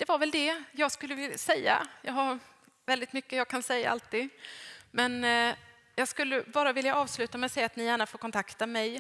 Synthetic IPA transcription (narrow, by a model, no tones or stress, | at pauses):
d̪̥ɛvaɾvɛld̪ɛjɑːɡskɵlːəvɪsɛjːa̰jɑ̰ːɦaɾ | vɛld̪ɪt̪mʏkːəjɑːɡ̚kʰansɛjːa̰ʔa̰lt̪iːd̪mɛn | jɑːɡskɵlːəbɑːɾavɪljaʔɑːvslʉ̟ːt̪amɛsɛjːat̪nɪjæːɳafoːɾkʰɔnt̪ʰakt̪amɛj